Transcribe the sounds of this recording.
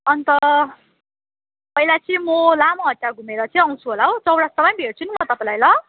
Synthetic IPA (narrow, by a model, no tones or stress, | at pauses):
ʌnt̪ʌ | pʌjlat͡sĩmʌlamoɦʌtjaɡʱumeɾʌt͡sʌ̃ʌw̃t͡sʰuɦolaɦot͡sʌwɽast̪ʌpaj̃bʱeɽt͡sʰunimʌt̪ʌpãlajlʌ